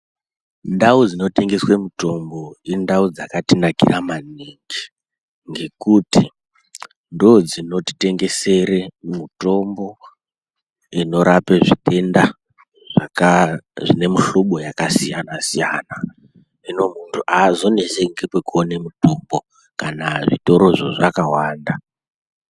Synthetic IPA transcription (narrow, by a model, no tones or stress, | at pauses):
ndaud͡zino̞te̞ŋɡe̞swemuto̞mbo̞indaud͡zakatinakḭramaniŋɡi | ŋɡe̞kuti | ndod͡zino̞ti̥te̞ŋɡe̞se̞ɾemuto̞mbo̞ | ino̞ɾapeʐitʰe̞nda | ʐ̥akaʐine̞muɬoɓo̞jakasijanasijana | ino̞muntʰuʔazo̞neseŋɡekwekuonemutombo̞ | kanaʐito̞ɾo̞ʐoʐakawaːnda